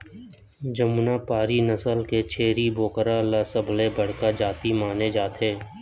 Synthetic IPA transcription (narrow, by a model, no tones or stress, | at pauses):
d͡ʒəmunaːpaːɾinəsəlket͡ʃʰeːɾiboːkəɾaːlaːsəblebəɽ̤kaːd͡ʒaːt̪imaːned͡ʒaːt̪ɦeː